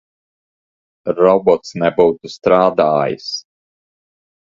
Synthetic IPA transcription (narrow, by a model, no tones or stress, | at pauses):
ɾɔbɔt̪snɛbuwt̪ust̪ɾaːd̪aːjḭs